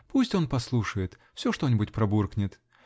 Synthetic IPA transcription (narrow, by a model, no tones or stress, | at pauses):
pusʲtʲo̞npɐslˠuʂəjɪt̪ | fsʲoʂt̪o̞nʲɪbʊtʲpɾɐburknʲɪt̪